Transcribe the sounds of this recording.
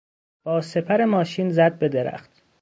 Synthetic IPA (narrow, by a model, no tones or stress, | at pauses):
b̥ɒːse̞pʰæɾe̞mɒːʃiːnzæd̪̚be̞d̪eɾæ̰xt̪